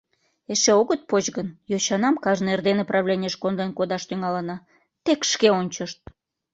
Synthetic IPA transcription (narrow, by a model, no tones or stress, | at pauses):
eʃeoɣət̪̚pot͡ɕɣənjoɕɑnɑmkɑʒnerd̪eneprɑβlʲenʲəʃkonlenkod̪ɑʃt̪yŋɑlənɑ | t̪ekʃkeonʲt͡ɕəʃt̪̚